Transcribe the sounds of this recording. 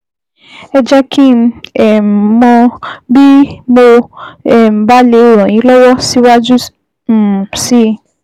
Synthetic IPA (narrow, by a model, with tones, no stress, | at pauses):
ɛ˧d͡ʒa˦kĩ˦ɛ˨m˨mɔ̃˧bi˦mo˧ɛ˨m̩˨ba˦le˧˦˨ɾ̃ɔ̃˨j̃ĩ˨˦lɔ˦wɔ˦si˦wa˦d͡ʒu˦˨ | si˦